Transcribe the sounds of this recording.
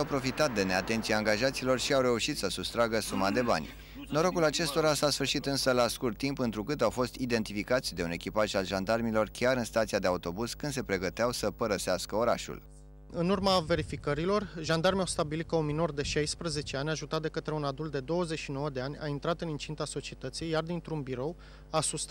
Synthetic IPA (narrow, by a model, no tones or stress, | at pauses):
awpɾo̞fit̪at̪̚d̪e̞ne̞at̪e̞nt̪siaːŋɡaʒat̪silo̞rʃiawɾe̞uʃit̪səsust̪ɾaɡəsumad̪e̞ba̰nʲ | no̞ɾo̞kulat͡ʃe̞st̪o̞ɾasasfɨrʃit̪ɨnsəlaskurt̪ːimpɨnt̪ɾukɨt̪awfo̞st̪id̪e̞nt̪ifikat̪sʲd̪e̞une̞kʲipaʒalʒand̪armilo̞rkʲaɾɨnst̪at̪siad̪e̞aut̪o̞buz̥kɨnd̪se̞pɾe̞ɡət̪eawsəpəɾəseaskəoɾa̰ʃṵl | ɨnurmave̞ɾifikəɾilo̞rʒand̪armeawst̪abilit̪kəunmino̞rd̪e̞ʃajspɾəze̞t͡ʃe̞anʲaʒut̪at̪̚d̪e̞kət̪ɾeunad̪ult̪d̪e̞d̪o̞wəze̞t͡ʃʃino̞wəd̪e̞anʲa̰int̪ɾat̪ɨnint͡ʃint̪aso̞t͡ʃiet̪ət̪sijːard̪int̪ɾunbiɾo̞w | asust̪